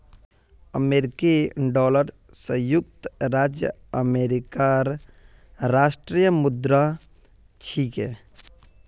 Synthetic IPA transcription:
əmeɾikiɖɔləɾ | səjuk̚t̪ɾad͡ʒjə | əmeɾikaɾ | ɾasʈɾijəmud̪ɾa | t͡ʃʰikɛ

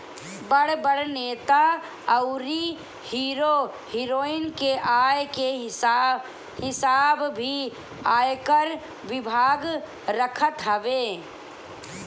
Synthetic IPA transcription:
bəɽbəɽneːt̪a | əʊɾi | hiːɾo | hiːɾoːɪnkeʔaːjke | hɪsaːbbʱi | aːjkəɾ | ʋɪbʱaːɡ | ɾəkʰət̪ɦəʋeː

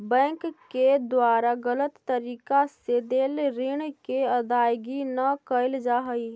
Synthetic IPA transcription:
bɛ̃ːŋkked̪waːɾaɡələt̪ːəɾiːkased̪eːlɾɪɳkeɐd̪aːjɡinɐkəɪld͡ʒaɦəi

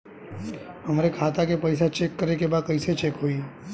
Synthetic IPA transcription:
ɦəmɾekʰat̪akepəjs̬at͡ʃekːəɾekebaːd̪̚kəɪset͡ʃeːkɦoi

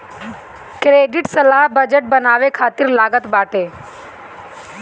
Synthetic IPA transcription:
kɾeːɖɪʈsəlaːɦbəd͡ʒəʈ̚bənaːʋekʰaːt̪ɪɾlaːɡət̪baːʈeː

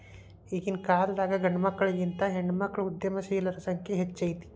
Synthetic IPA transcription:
iːkinkaːld̪aːɡɐɡɐɳɖɐmɐkːɐɭɐɡint̪ɐɦeɳɖmɐkːɐɭud̪jɐmɐsiːlɐɾɐsɐŋkʰjeɦet͡ʃːɐjit̪i̥

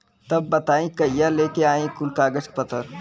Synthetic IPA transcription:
t̪ɐbːɐt̪aːĩkɐjaleːkeaːĩkʊlkaːɡəskpɐt̪əɾ

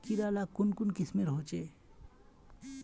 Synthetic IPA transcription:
kiɾalakunkunkismeɾɦot͡ʃe

